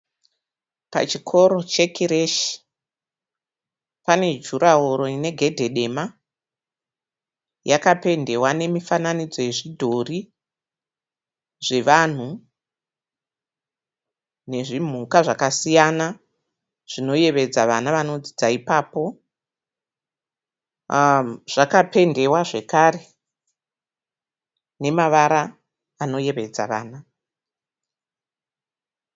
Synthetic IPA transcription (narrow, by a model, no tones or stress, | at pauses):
pa̰t͡ʃikʰo̞ɾo̞t͡ʃe̞kʰiɾeʃi̥ | pane̞d͡ʒuɾaɦoɾo̞ine̞ɡʱe̞dʱe̞ɗe̞ma | jakape̞nde̞wane̞mifananid͡zo̞je̞ʐidʱo̞ri | ʐe̞ʋan̤u | ne̞ʐim̤ukaʐakasijana | ʐ̥ino̞je̞ʋe̞d͡zaʋanaʋano̞d͡zid͡zaipapo̞ | ʐ̥akape̞nde̞waʐe̞kaːre̞ | ne̞maʋaɾaː | no̞je̞ʋe̞d͡za̰ʋa̰ːna